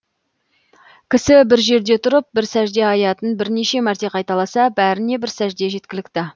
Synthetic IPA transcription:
kʲʰɪsɪbɪɾʒe̞ɾd̪e̞t̪ʰʊɾəp̚bɪɾsæʒd̪e̞ɑjɑt̪ənbɪɾne̞ʃe̞mæɾt̪e̞qʰɑjt̪ɑlˠɑsɑbæɾɪne̞bɪɾsæʒd̪e̞ʒe̞t̪̚kʲɪlɪk̚ʲt̪ɪ

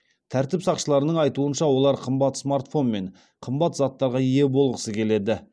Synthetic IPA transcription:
t̪ʰæɾt̪ɪpsɑqʃəlˠɑɾənəɴɑjt̪uənʃɑwo̞lˠɑɾqʰəmbɑt̪smart̪fo̞nme̞ɴ | qʰəmbɑt̪zɑt̪ːɑɾʁɑije̞bo̞lˠʁəsəkʲʰe̞le̞d̪ɪ

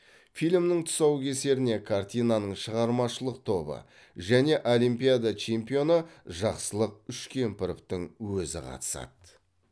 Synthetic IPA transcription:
fijlmnɪɴt̪ʰʊ̥sɑwkʲʰe̞se̞ɾɪne̞kʰart̪ijnanəɴʃəʁɑɾmɑʃəlˠəq̚t̪ʰo̞bə̰ | ʒæne̞ʔo̞lˠijmpijad̪at͡ʃʰe̞mpijo̞nəʒɑqsəlˠəq̚ʏʃkʲʰe̞mpɪɾɪp̚t̪ɪŋwɵzɪ̰qʰɑ̰t̪ə̥sɑ̰t̪

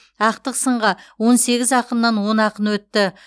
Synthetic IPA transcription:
ɑq̚t̪əqsəɴʁɑwo̞nse̞ɡʲɪzɑqəmnɑnwo̞nɑqənwɵt̪ːɪ

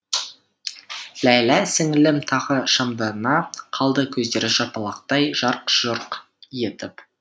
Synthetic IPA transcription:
læjlæsɪŋlɪmt̪ʰɑʁəʃɑmd̪ɑɾənɑqʰɑlˠd̪əkʲʰɵzd̪e̞ɾɪʒɑpɑlˠɑq̚t̪ɑjʒ̥ɑɾqʒ̥oɾq | je̞t̪ɪp

